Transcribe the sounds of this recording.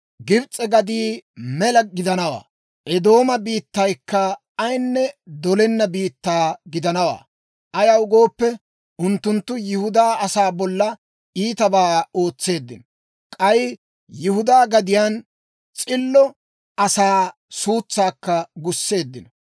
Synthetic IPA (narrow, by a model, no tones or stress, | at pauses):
ɡɪbt͡sʼɛɡɐd̪iːmɛlɐɡɪd̪ɐnɐwa̰ː | ʔɛd̪o̞ːmɐbiːt̪ːɐjkːɐ | ɐjnːɛd̪ɔlɛnːɐbiːt̪ːaːɡɪd̪ɐnɐwa̰ː | ʔɐjɐwʊɡo̞ːpːɛ | ʔʊnt̪ːʊnt̪ːʊjɪhʊd̪aːɐsaːbɔlːɐ | iːt̪ɐbaːo̞ːt͡sːe̞ːd̪ːɪn | kʼɐj | jɪhʊd̪aːɡɐd̪ɪjaːn | t͡sʼɪlːɔ | ʔɐsaː | suːt͡sːaːkːɐɡʊsːe̞ːd̪ːɪnɐ